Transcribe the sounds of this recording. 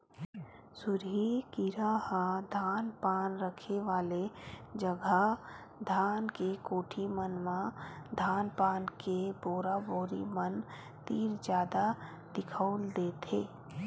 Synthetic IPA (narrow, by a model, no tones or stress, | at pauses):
sʊɾɦikɪɾahad̪ʱaːnpaːnɾəkʰeʋaːled͡ʒəɡʱa | d̪ʱaːnkekoːʈʰimənmãd̪ʱaːnpaːnkeboːɾaboːɾḭmən | t̪iːɾd͡ʒjaːd̪a | d̪̥ɪkʰəʊld̪eːt̪ʰeː